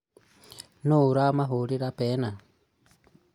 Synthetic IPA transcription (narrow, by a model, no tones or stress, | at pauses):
nuɾamaɦuɾiɾapena